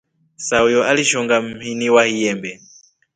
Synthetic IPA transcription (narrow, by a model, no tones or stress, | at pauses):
saujɔʔaliʃɔŋɡam̩miniwahijɛːmbɛ